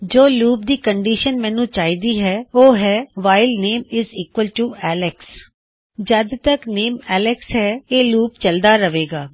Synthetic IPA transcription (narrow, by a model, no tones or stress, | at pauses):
d͡ʒoːluːp̚d̪iːkəɳɖiːʃənmɛ̃ːnũːt͡ʃaːiːd̪iːɦɛːoːɦɛːʋaːɪlneːmɪziːkwəlʈuɛːlɪks | d͡ʒəd̪t̪əkneːmɛːlɪksɦɛːeːluːp̚t͡ʃəld̪aːɾəʋeːɡaː